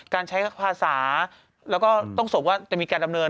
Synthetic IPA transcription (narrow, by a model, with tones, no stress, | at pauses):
kaː˧nt͡ɕʰa˦˥jpʰaː˧saː˩˦ | lɛː˦˥wkɔː˥˩t̪ɔ˥˩ŋso˨˩ŋwaː˥˩t͡ɕa˨˩miː˧kaː˧nda˧mnɤː˧n